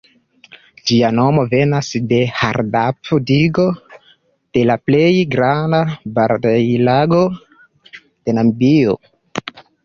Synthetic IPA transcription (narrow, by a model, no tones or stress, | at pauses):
d͡ʒiano̞mo̞ve̞nasde̞ha̰ɾdapodiɡo̞ | d̥e̞laple̞jɡɾandabaɾdajlaɡo̞ | d̥e̞nambio̰